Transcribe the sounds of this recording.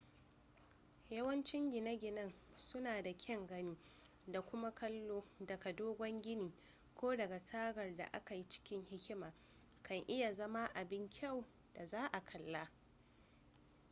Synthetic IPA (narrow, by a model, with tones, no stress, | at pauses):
jɐ˦wɐ˦nt͡ʃɪ˦ŋɡʲɪ˨nɐ˦ɡʲɪ˨nɐ˦n | sʊ˦naː˨da˨kʲʰɛ˦˨ŋɡɐ˦niː˦ | da˨kʷʊ˦ma˦kʰɐ˦lːoː˦dɐ˨ɡa˨doː˦ɡʷɔ˦ŋɡʲɪ˦niː˨ | kʷoː˦dɐ˨ɡa˨taː˦ɡɐ˨rda̰˨ʔa˦ka˨ji˦t͡ʃɪ̥˦kʲɪ˦ŋhɪ˦kʲɪ˦maː˨ | kɐ˨ŋʔɪ˦ja˨zɐ˦ma˦ʔa˨bɪ˦ŋkʲʰɐ˦˨w | d̥a˨zaː˦ʔa˨kʰɐ˨lːa˦